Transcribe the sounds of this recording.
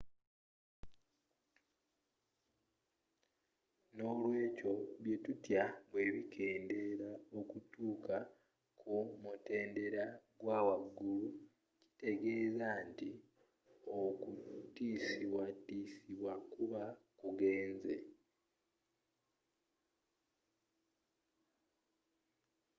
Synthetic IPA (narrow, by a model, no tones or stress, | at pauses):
no̞ːlwe̞ːco̞βje̞tutjaβwe̞ːβikʰe̞ːnde̞ɾao̞kutuːka | kʰumute̞ːnde̞ɾaɡwaːwaɡːulu | ci̥te̞ɡe̞ːzaːnti | o̞kutiːsiβwatiːsiβwakuβakuɡe̞ːnze̞̰